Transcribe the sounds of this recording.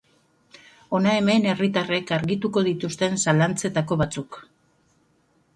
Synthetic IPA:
o̞nae̞me̞ne̞rit̪are̞kaɾɣit̪uko̞ð̞it̪ust̪e̞nsalant͡se̞t̪ako̞βat͡suk

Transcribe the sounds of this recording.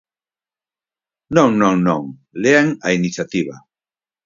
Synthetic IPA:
nõŋnõŋnõŋ | leaŋa̰inisjat̪iβa

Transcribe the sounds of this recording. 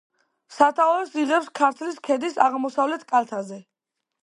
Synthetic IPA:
sat̪ʰaɔɛsiʁɛpskʰaɾt̪ʰliskʰɛd̪isaʁmɔsavlɛt̪ʰkʼalˠt̪ʰazɛ

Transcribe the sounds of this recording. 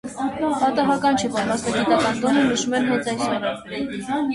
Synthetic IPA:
pɑt̪ɑɦɑkɑnt͡ʃʰɛpɑɾmɑst̪ɑɡit̪ɑkɑnd̪ɔnənəʃumɛnɦɛnt͡sɑjshɔɾɑ

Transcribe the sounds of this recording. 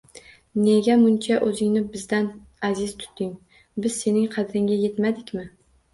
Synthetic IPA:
neɡʲamʊnt͡ʃʰaʔɵzɪŋnɪbɪzd̪an | azɪz̥t̪ʰʊ̥t̪ʰːɪŋ | bɪz̥se̞nɪŋqʰɑd̪ɾɪŋʲaje̞t̪mad̪ɪkʲmɪ

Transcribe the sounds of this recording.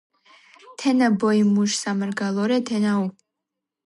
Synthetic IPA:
t̪ʰɛnabɔjmuʃsamarɡalˠɔɾɛt̪ʰɛnau

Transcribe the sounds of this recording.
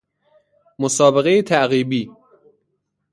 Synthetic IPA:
mosɒːbeɣe̞jet̪ʰæʔɣiːbiː

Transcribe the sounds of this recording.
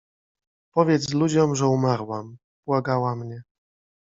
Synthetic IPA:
pɔvʲjɛt̪slud͡ʑɔmʐɛumaɾwam | bwaɡawamɲɛ

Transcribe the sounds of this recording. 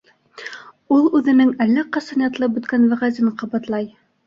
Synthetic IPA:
ulˠʉðɘ̆nɘŋælːæqɑsɑnjɑt̪lˠɤbɵ̆t̪kænwæʁæzinqɑbɑt̪lˠɑj

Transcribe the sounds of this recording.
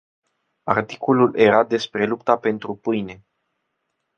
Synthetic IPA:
a̰rt̪i̥kolulʔe̞ɾad̪e̞spɾe̞lupt̪ape̞nt̪ɾupɨjne̞

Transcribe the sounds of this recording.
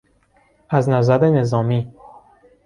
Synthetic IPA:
æznæzæɾene̞zɒːmiː

